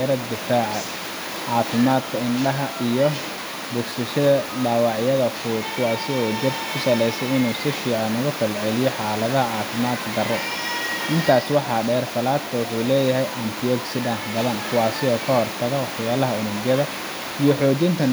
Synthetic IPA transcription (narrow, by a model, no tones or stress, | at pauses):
ɐɾɐd̪ɪfaːʕɑ | ʕɑːfɪmaːd̪kʰɐɪnɖɐɦɐʔijɔ | bʊksɐʃɐðɐɖaːwɑʕjɐðɐfud̪kʰʊwɑːsɪɔːd͡ʒɪrʰkʰʊsɐlɛjsɛjɪnuːsɪʃiːʕɑnʊɣʊfɐlʕɛlɪjɔħɑːlɐðɐɦɐʕɑːfɪmaːd̪kʰɐɡɐrɔ | ʔɪnt̪ʰaːswɑħɑːɖɛːrsɐlaːd̪kʰɐwʊħuːlɛːjɐɦɛjʔɐnt̪ʰiɔksɪdɐnħbɐðɐnkʰʊwɑːsɪɔːkʰɐhɔrt̪ʰɐɣɐwħjaːlɐɦɐʊnʊɡjɐðɐ | ijɞħɔːt͡ʃɪnt̪ʰɐn